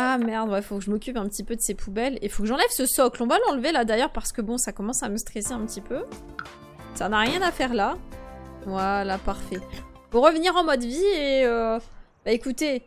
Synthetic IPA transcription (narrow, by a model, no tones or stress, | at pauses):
amɛʁd̪wɛfokəʒəmɔkʲypɛ̃pət̪ipød̪əsepʰubɛlefokəʒɑ̃lɛvsəsɔklɔ̃valɑ̃lvelad̪ajœʁpaʁsə̥kəbɔ̃sakɔmɑ̃saməst̪χeseɛ̃pət̪ipø | sanaʁjɛ̃nafɛʁla | vwalapaʁfɛ | puʁəvniʁɑ̃mɔd̪vieø | baekut̪e